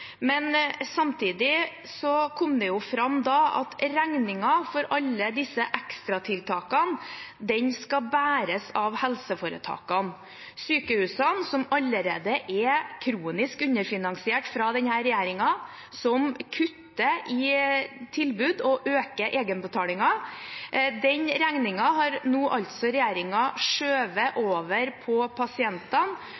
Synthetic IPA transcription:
mɛnsɑmt̪ʰiːd̪ɪ | sɔkʰɔmd̪ɛjʊfɾɑmːd̪ɑɑ̰t̪ɾæŋnɪŋɑfɔɾɑlːəd̪ɪsːəʔækst̪ɾɑt̪ʰɪlt̪ʰɑːkɑnd̪ɛɲskɑbæːɾəsɑʋhɛlsəfoːɾə̰t̪ʰɑ̰ːkɑn | syːkəhʉːsɑnsɔmɑlːəɾeːd̪əʔɛkʰɾuːnɪskʉnəɾfɪnɑŋsɪeːʈfɾɑd̪ɛnhæːɾɛjæːɾɪŋɑ | sɔmkʰʉt̪ːəʔɪt̪ʰɪlbʉːd̪ɔʔøːkəʔeːɡənbət̪ʰɑːlɪŋɑ | d̪ɛɲɾæŋnɪŋɑɦɑɾnuːʔɑʎt̪sɔɾɛjæːɾɪŋɑʂøːʋəʔoːʋəɾpʰɔpʰɑsɪɛnt̪ɑn

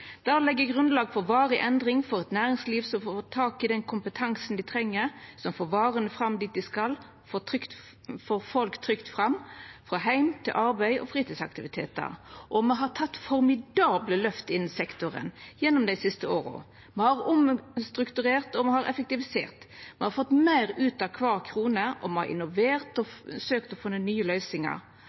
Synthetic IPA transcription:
d̪̥ɑlɛɡːəɡʁʉnlɑːɡfɔɾʋɑːɾɪʔɛnd̪ʁɪŋfɔɾɛt̪næːɾɪŋsliːʋsɔmfoːt̪ʰɑːkɪd̪ɛnkʰʊmpət̪ʰɑŋsnd̪ɪt̪ʰɾɛŋːəɾsɔmfoːʋɑːɾənəfɾɑmd̪iːt̪̚d̪ɪskɑl | fɔt̪ʰɾʏkt̪ | fɔɾfɔlkt̪ʰɾʏkt̪fɾɑmfɾɑɦæɪmt̪ʰɪ̰lʔɑɾbæɪʔɔ̰fɾiːt̪iːsɑ̰k̚t̪ɪʋɪt̪ʰḛːt̪̚ə̰ʁʔɔmɛɦɑt̪ʰɑt̪ːfɔɾmɪd̪ɑːbləlœft̪əɪnːɪsɛkt̪ʊɾə̰njɛnːɔmd̪æɪsɪst̪əoːɾə̰ | mɛhɑɾʊmst̪ɾʉkt̪ʉɾeːʁt̪ɔmɛhɑɾɛ̰fɛk̚t̪ɪʋɪsḛːʁt̪ | mɛhɑɾfɔt̪ːmæɪɾʉːt̪ɑkʰʋɑːʁkʰɾuːnəʔɔmɛhɑ̰ɾɪ̰nʊʋeːʁt̪ɔsøːkt̪ɔfɪnːənyːəlœʏsɪŋə̰ɾ

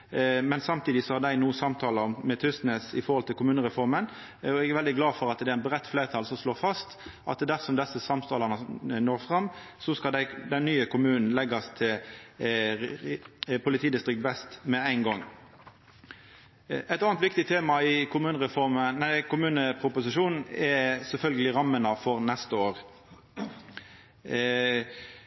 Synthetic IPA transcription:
mɛnsɑmt̪ʰiːd̪ɪsɔhɑʁd̪æɪnuːsɑmt̪ʰɑːləɔmmɛt̪ʰʏst̪nesɪfɔʁhɔlt̪ʰɪlkʊmʉːnəʁɛfɔʁmən | ɔɛɡæʁʋɛld̪ɪɡlɑːfɔʁɑt̪d̪ɛæɪnbʁɛt̪ːflæːʁt̪ʰɑːlsɔmsloːʁfɑst̪ʔɑ̰t̪d̪æʁsɔmd̪ɛsːəsɑmt̪ʰɑːləʁnənoːʁfʁɑmː | sɔskɑd̪æɪd̪ɛnːyːəkʰʊmʉːnn̩lɛɡɑst̪ʰɪl | pʰʊlɪt̪ʰiːd̪ɪst̪ʁɪkt̪bɛst̪mɛæɪnɡɔŋː | æɪt̪ɑːnt̪ʋɪk̚t̪ɪt̪ʰeːmɑɪkʰʊmʉːnəʁɛfɔʁmənæɪkʊmʉːnəpʰʁʊpʊsɪʂuːnn̩ɛsɛlfœlɡəlɪʁɑmːənɑfɔʁnɛst̪əoːʁ

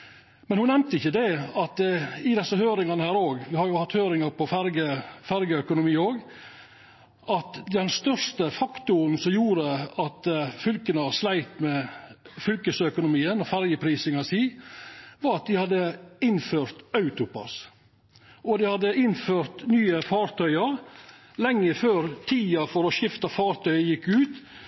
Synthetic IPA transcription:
mɛnhʊnɛmt̪əɪçːəd̪ɛɑt̪ɪd̪ɛsːəhøːɾɪŋɑnəhæːɾoːɡʋɪhɑɾjʊhɑt̪ːhøːɾɪŋɑɾpɔfæɾɡəfæɾɡəœkʊnʊmiːoːɡ | ʔɑt̪d̪ɛnst̪œɾʂt̪əfɑkt̪ʊɾnsɔmjuːɾəɑt̪fʏlkənəɑslæɪt̪mɛfʏlkəsœkʊnʊmiːənɔfæɾjəpʰɾiːsɪŋɑsiː | ʋɑɾɑt̪̚d̪ɪhɑd̪ːəɪnføːɾt̪ɑʉt̪ʊpɑ̰s | ʔɔd̪ɪhɑd̪ːəɪnføːɾt̪nyːəfɑːɾt̪ʰœʏə | lɛŋːəføːɾt̪ʰiːɑfɔɾɔʃɪft̪ɑfɑːɾt̪ʰœʏəjɪkːʉːt̪

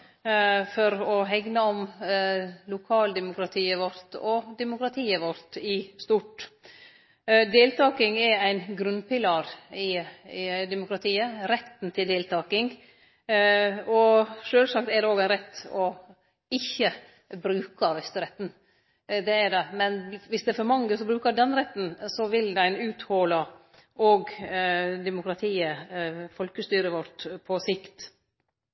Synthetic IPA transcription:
fɔɾɔɦɛɡnɑɔm | lʊkʰɑːld̪ɛmʊkɾɑt̪ʰiːəʋɔɾt̪ɔd̪ɛmʊkɾɑt̪ʰiːəʋɔɾt̪ɪst̪uːʈ | d̪eːlt̪ʰɑːkɪŋɛæɪnɡɾʉnpɪlɑːɾɪ | d̪ɛmʊkɾɑt̪ʰiːəɾɛt̪ːn̩t̪ʰɪld̪eːlt̪ʰɑːkɪŋ | ɔʂøːlsɑk̚t̪ɛɖɛoːɡæɪnɾɛt̪ːɔ | ɪçːə | bɾʉːkɑʋɛst̪əɾɛt̪ːn̩ | d̪ɛæɖɛmɛnʋɪsd̪ɛæɾfɔɾmɑŋːəsɔbɾʉːkəɾɖɛnɾɛt̪ːn̩sɔʋɪld̪æɪnʉːt̪hoːlɑ | ʔɔɡ | d̪ɛmʊkɾɑt̪ʰiːəfɔlkəst̪yːɾəʋɔɾʈ̪pʰɔsɪkt̪

